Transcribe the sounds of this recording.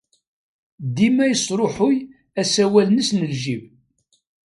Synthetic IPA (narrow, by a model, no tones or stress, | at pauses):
d̪imæjəsˤɾˤoħʊj | æsæwælnəsnəlʒim